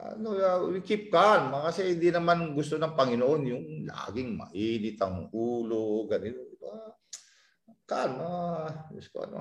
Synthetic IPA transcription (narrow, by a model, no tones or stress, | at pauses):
ʔɐ̰noaikɪp̚kanmakɐsɛhɪnd̪inɐmanɡʊst̪onɐŋpɐŋɪnoʔo̞njʊŋla̰ːɡɪŋmɐ̰ʔiːnɪt̪ɐŋʔuːlo̞ɡɐnɪnoa | kanaɡʊst̪o̰ʔɐ̰no̰